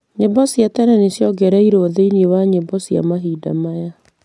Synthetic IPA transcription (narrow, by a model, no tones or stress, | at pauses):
ɲebɔsjatɛɾɛnesjɔɡɛɾaiɾoðeinewaɲebɔsja̰maɦida̰maja